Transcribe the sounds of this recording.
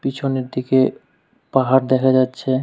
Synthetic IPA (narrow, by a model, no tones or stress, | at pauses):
pit͡ɕʰoneɾd̪ike | paɦaɾd̪ɛkʰad͡ʑatːɕʰe